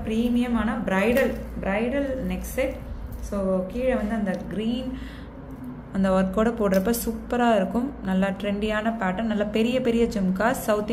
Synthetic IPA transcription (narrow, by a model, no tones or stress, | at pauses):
pɪɾiːmɪjɐmaːnɐbɾɐɪɽɐlbɪɾɐɪɽɐlnɛksɛʈsoːkiːɻɐʋɐnd̪ɯɐnd̪ɐɡɾiːn | ɐnd̪ɐʋɐɾkːoːɽɐpoːʈɾɐpːɐːsuːpːɐɾaːɪɾɯkːɯmnɐlːaːʈɾɛɳɖɪjaːnɐpaːʈːɐɾnɐlːaːpɛɾɪjɐpɛɾɪjɐd͡ʒɪmkaːsɐʊt̪